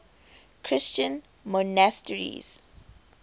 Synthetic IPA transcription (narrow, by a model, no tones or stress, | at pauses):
kʰɹɪst͡ʃə̃n | mɔnastəɹḭz̥